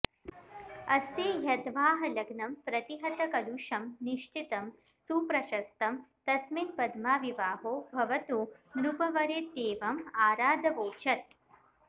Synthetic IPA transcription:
ɐst̪eːɦɐt̪ʋaːɦɐlɐɡnɐmpɾɐt̪iɦɐt̪ɐkɐluʃɐmniʃt͡ʃit̪ɐm | suːpɾɐʃɐst̪ɐmt̪ɐsminpɐd̪maːʋiʋaːɦoːbʱɐʋɐt̪unɾupɐʋɐɾeːt̪eːʋɐmaːɾaːd̪ʱɐʋoːt͡ʃɐt̪̚

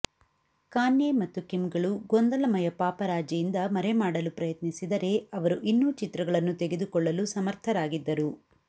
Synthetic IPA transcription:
kaːnjemɐt̪ːukimɡɐɭuɡond̪ɐlɐmɐjɐpaːpɐɾaːd͡ʒjɐjind̪ɐmɐɾemaːɽɐlupɾɐjɐt̪nisid̪ɐɾe̞ɐʋɐɾuʔinːuːt͡ʃit̪ɾɐɡɐɭɐnːut̪eɡe̞d̪ukɔɭːɐlusɐmɐɾt̪ʰɐɾaːɡid̪ːɐɾu

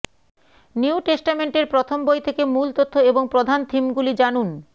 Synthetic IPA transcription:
niuʈesʈameɳʈeɾpɾot̪ʰombojt̪ʰekemult̪ot̪ʰːoeboŋpɾod̪ʱant̪ʰimɡulid͡ʑanun

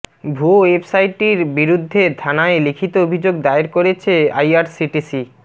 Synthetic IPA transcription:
bʱuwebsajʈiɾbiɾud̪ʱːet̪ʰanaelikʰit̪oobʱid͡ʑoɡd̪aeɾkoɾet͡ɕʰea̰jaɾsiʈisi

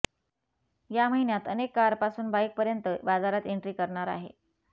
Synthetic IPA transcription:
jaməɦinjat̪ənekːaɾpasuːnbajk̚pəɾjənt̪əbad͡zaɾat̪eɳʈɾiːkəɾɳaɾa̰ɦḛ

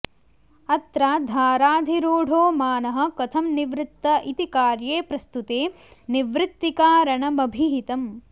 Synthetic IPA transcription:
ɐt̪ɾaːd̪ʱaːɾaːd̪ʱiɾuːɖʱoːmaːnɐɦɐ̆kɐt̪ʰɐmniʋɾɪt̪ːɐʔit̪ikaːɾjeːpɾɐst̪ut̪eː | niʋɾɪt̪ːikaːɾɐɳɐmɐbʱiɦit̪ɐm

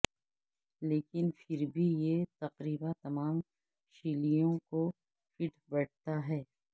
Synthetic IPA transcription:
leːkɪnfʰɪɾbʱijet̪ɐqɾiːbat̪ɐmaːm | ʃiːlijõko | fɪʈʰbɐɽt̪aɦɛː

